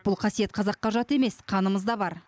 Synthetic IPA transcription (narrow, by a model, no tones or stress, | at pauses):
b̥ʊlˠqʰɑsije̞t̪̚qʰɑzɑqːɑʒɑt̪e̞me̞sqʰɑnəməzd̪ɑbɑɾ